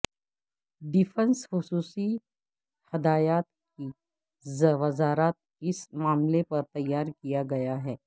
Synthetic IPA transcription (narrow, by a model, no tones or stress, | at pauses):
ɖɪfʰə̃nsxʊsuːsi | hɐd̪aːjaːt̪̚ | ki | zɐʋɐzaːɾaːt̪̚ | ɪsmaːmlepɐɾt̪ɐjːaːɾkijaɡɐjaɦɛː